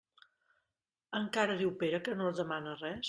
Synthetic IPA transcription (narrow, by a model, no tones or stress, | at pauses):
əŋkaɾəðiwpeɾəkənoðəmanərɛs